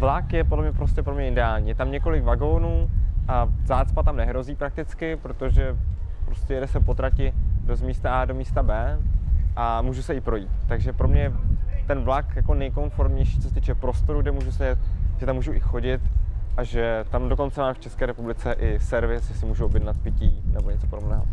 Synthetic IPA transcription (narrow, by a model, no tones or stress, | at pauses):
vlakjɛpodlɛmɲɛpɾoscɛpɾomɲɛʔɪdɛaːlɲiːjɛt̪amɲɛko̞lɪkvaɡo̞nuːʔazaːt͡spat̪amnɛɦɾo̞ziːpɾak̚t̪ɪt͡skɪpɾo̞t̪o̞ʒɛpɾoscɛjɛdɛsɛpo̞t̪ɾacɪdozmiːst̪aaːdo̞miːst̪abɛːʔamuːʒusɛɪpɾo̞jiːt̪ːaɡʒɛpɾo̞mɲɛjɛt̪ɛnvlakjako̞nɛjko̞nfo̞ɾmɲɛjʃiːt͡sosɛt̪iːt͡ʃɛpɾo̞st̪o̞ɾuɡdɛmuːʒusɛjɛt̪̚ʒ̥ɛt̪amːuːʒuʔɪxo̞ɟɪt̪ʔaʒɛt̪amdo̞ko̞nt͡sɛmaːmft͡ʃɛskɛːɾɛpublɪt͡sɛʔɪsɛɾvɪsʒɛsɪmuːʒuʔobjɛdnat̪̚pɪciːnɛboɲɛt͡sopodobnɛ̰ːɦo̰